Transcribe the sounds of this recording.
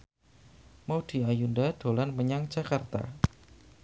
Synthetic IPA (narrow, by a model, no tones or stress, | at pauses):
mawd̥i̤ajundad̥o̤lanməɲaŋ̥d͡ʒ̥akart̪a̰